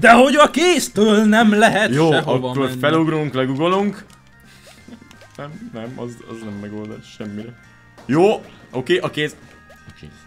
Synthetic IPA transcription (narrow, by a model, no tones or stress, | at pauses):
d̪ɛɦo̞ɟɒkeːst̪øːlnɛmlɛɦɛtj̪oːɦɒkːorfɛluɡɾuŋklɛɡuɡo̞luŋk | nɛmnɛmɒ̰zɒ̰znɛmːɛɡoːld̪a̰ʃʃɛmːiɾɛ | joː | okeːʔɒkeːs | kː